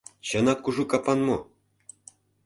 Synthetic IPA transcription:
ɕɤ̆nɑkːuʐukɑpɑnmo

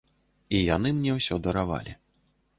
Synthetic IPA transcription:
ijanɨmnʲɛwsʲɔd̪ɐɾava̰lʲi

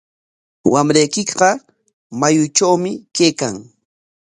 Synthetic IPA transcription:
wamɾajkɪkɢɑ | majʊt͡ʃawmɪkeːkaŋ

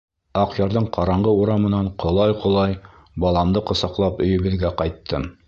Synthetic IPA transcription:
ɑqjɑɾðɤɴqʰɑɾɑɴʁɤuɾɑmɤ̆nɑɴqʰŏlˠɑjqʰŏlˠɑj | bɑlˠɑmd̪ɤqɤ̆sɑqlˠɑpɵ̆jɘ̆βɘ̆ðɡæqɑjt̪ʰːɤ

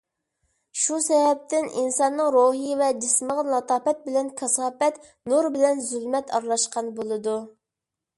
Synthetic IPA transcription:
ʃusɛvɛp̚t̪ɪnʔinsɑnːɨŋɾoɦɨjvɛd͡ʒisməʁɑlˠɑt̪ʰɑːpɛt̪̚bɪlɛnkʰɑsɑːpɛt̪ | nuɾbɪlɛnzylmɛt̪ʰɑɾlˠɑʃqɑnbolˠɨd̪u

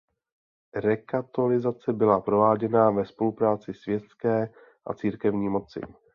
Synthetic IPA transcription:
ɾɛkat̪olɪzat͡sɛbɪlapɾo̞vaːɟɛnavɛspo̞lupɾaːt͡sɪsvjɛt̪skɛː | ʔa̰t͡siːɾkɛvɲiːmo̞t͡sɪ̰

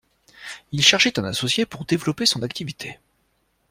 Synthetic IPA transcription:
ilʃɛʁʒɛt̪ɛ̃nasɔsjepuʁd̪evlɔpesɔ̃nakt̪ivit̪ʰe

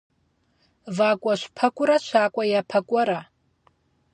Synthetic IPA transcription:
vakʷʼaʃʷpʰakʷʼʊɾaʃʷʰaːkʷʼajapʰakʷʼɔɾa

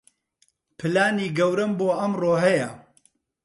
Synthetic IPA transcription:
pʰɨlaːniːɡɐwɾɨmboːɐmroːɦɐjɐ

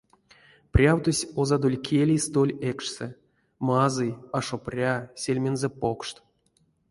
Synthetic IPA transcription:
prʲawt̪osʲozad̪olʲkʲʰelʲijst̪olʲekʂsɛ | mazɨjaʂoprʲasʲelʲmʲenzepokʂt̪

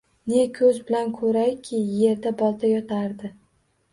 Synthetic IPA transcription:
ne̞kʰɵzbɪlankʰɵɾajkʲʰɪːe̞ɾd̪abɒlˠd̪ʰajɒt̪ʰaɾd̪ɪ

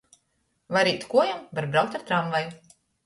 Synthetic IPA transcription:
vaɾiːt̪kuɔjamvaɾbɾawkt̪aɾt̪ɾaɱvaj

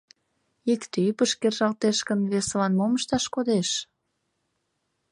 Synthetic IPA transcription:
ikt̪ypəʃkerʒɑlt̪eʃkənβeslɑnmoməʃt̪ɑʃkod̪eʃ

